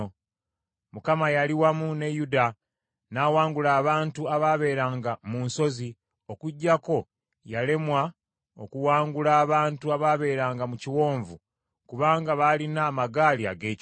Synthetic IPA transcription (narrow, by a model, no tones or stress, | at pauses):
mukamajaliwamune̞juda | naːwaːŋɡulaːβaːntuaβaβe̞ːɾaːŋɡamunso̞zi | o̞kuɟːako̞ | jale̞mwa | o̞̰kuwaːŋɡulaːβaːntuaβaβe̞ːɾaːŋɡamuciwo̞ːɱvu | kuβaːŋɡaβalinaːmaɡaːlia̰ɡe̞ːc